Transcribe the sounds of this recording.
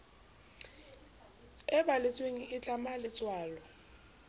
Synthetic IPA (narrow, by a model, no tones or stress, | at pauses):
ɛɓalisweŋiʔːt͡ɬʼamalit͡sʼwaːlɔ